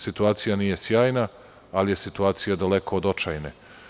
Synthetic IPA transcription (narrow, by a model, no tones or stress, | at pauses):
sit̪uaːt̪sijaniːje̞sjaːjna | alijesit̪uaːt̪sijad̪alekood̪ot͡ʃajne